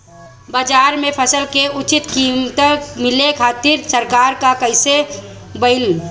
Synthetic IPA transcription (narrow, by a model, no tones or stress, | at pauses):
baːd͡ʒaːɾmẽpʰəsəlkeʊt͡ʃɪt̪kimt̪əmɪlekʰaːt̪iɾsəɾkaːɾkakəɪsebəɪli